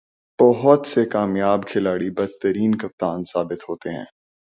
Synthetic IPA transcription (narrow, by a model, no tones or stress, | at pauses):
b̥ɔɦʊt̪sekaːmjaːbkʰɪlaːɽibɐd̪̚t̪əɾiːnkɐp̚t̪aːnsaːbɪt̪ɦoːt̪eɦɛ̰̃ː